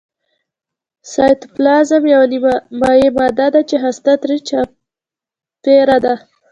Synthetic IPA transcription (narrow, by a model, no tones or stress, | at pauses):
sɑjt̪plɑzamjawnimmɑjemad̪ɑd̪at͡ʃeɦast̪at̪ɾit͡ʃɑ | peɾad̪a